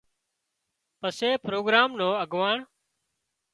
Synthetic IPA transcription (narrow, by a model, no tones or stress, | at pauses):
pəseːpɾoːɡɾaːmnoːəɡʋaːɳ